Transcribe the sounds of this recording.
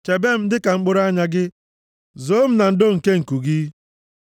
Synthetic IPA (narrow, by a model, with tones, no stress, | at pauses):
t͡ʃe˨be˦m̩˦dɪ˦ka˨ŋ͡m̩˦k͡pʊ˦ɾa˦ɲa˦ɡɪ˦ | zoː˦m̩˦na˨n̩˦do˦ŋ̩˨ke˦ŋ̩˨ku˨ɡi˦